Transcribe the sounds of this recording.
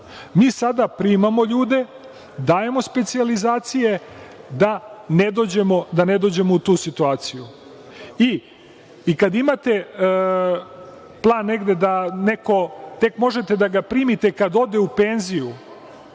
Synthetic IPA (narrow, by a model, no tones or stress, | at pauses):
miːsad̪apɾiːmamo̞ʎuːd̪e̞ | d̪aːje̞mospe̞t̪sializaːt̪sije̞d̪aned̪oːd͡ʑemod̪ane̞d̪od͡ʑe̞mout̪uːsit̪uaːt̪siju | iː | kad̪imat̪e̞ | plˠaːnːe̞ɡd̪e̞d̪aneko̞t̪e̞kmo̞ʒe̞t̪e̞d̪aɡapɾiːmit̪ekad̪o̞d̪e̞upeːnziju